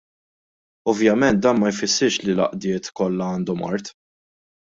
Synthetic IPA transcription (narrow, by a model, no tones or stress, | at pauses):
ɔvjɐmɛnt̪̚d̪ɐːnmɐjfɪsːɪɾʃlilɐ̰ʔd̪ɪːt̪kɔlːɐɐːnd̪ɔmɐ̰ɾt̪